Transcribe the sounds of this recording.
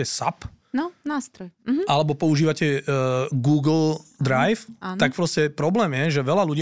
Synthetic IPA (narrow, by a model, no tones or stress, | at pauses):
ɛsa̰p | nɔnaːst̪ɾɔjʔalɛbɔpɔuʒiːʋacɛː | ɡuːɡl̩d̪ɾajfaːnak̚pɾɔscɛpɾɔblɛːmjɛʒɛʋɛlaluɟiː